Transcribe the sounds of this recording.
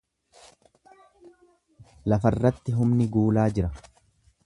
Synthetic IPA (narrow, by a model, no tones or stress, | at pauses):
lɐfɐrːɐt̪ːɪɦʊmnɪɡuːlaːd͡ʒɪɾɐ